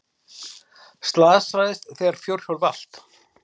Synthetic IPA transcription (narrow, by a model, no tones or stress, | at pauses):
st̪laːðsajðɪst̪θɛaɾ̥fjowɾ̥jowlval̥t̪